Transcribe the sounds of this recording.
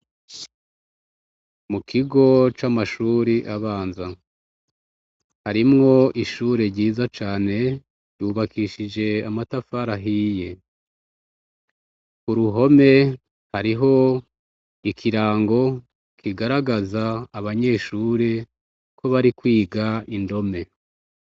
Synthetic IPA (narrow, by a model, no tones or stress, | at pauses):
mukʰiɡo̞t͡ʃamaʃuːɾiʔaβaːnza | haɾimŋo̞iʃuːɾe̞ɾɟiːzat͡ʃaːne̞ | juβakiʃid͡ʒe̞amatafaɾaɦije̞ | kuɾuɦo̞me̞ | haɾiɦo̞ | ikʰiɾaːŋɡo̞ | kʰiɡaɾaɡazaːβaɲe̞ːʃuːɾe̞ | kʰo̞βaɾikwiːɡaindo̞me̞